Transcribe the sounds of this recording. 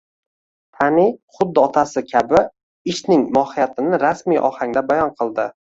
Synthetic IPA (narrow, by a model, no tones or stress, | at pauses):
t̪ʰaniχʊd̪ːɪɒt̪ʰasɪkʲʰabɪ | ɪʃnɪŋmɒhɪjat̪ʰɪnɪɾasmijʔɒ̰haŋd̪abajɒnqʰɨlˠd̪ɪ